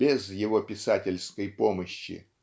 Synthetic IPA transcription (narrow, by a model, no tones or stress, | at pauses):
bʲɪzjɪvopʲɪsatʲɪlʲskəjpo̞məɕːɪ̰